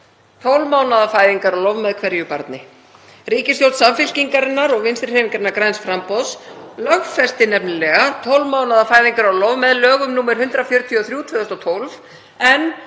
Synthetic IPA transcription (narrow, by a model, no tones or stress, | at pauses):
t̪ʰowlmaːwnaðafaːjðiŋkaɾawlɔvmɛðkʰvɛɾjʏpa̰ɾt̪nɪ | riːcɪsjowlt̪samfɪl̥ciŋkaɾɪnːaɾɔɣvɪnst̪ɾɪɾhɛviŋkaɾɪnaɾkɾajnsfɾampɔslœxfɛst̪ɪnɛp̚nɪlɛɣat̪ʰowlmaːwnaðafaːjðiŋkaɾawlɔvmɛðlœːɣʏmnuːmɛɾ̥hʏnt̪ɾafjœɾt̪ʰiɔθɾjuːt̪vɛðɔst̪ɔt̪ʰowlv | ɛn